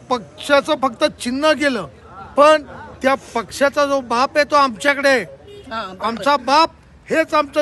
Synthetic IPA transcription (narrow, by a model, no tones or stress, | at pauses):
pəkʂat͡səfək̚t̪ət͡ɕinːəɡeləː | pəɳt̪japəkʂat͡sad͡zobapɦet̪oamt͡ɕjakəɽe | amt͡sabap̚ | het͡samt͡sə